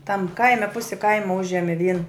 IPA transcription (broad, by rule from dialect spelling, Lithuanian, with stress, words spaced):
tɐm ˈkɐɪmʲɛ ˈpʊsʲɪ ˈkɐɪmɐ ˈʊʒʲɛmʲɪ ʋʲiɛn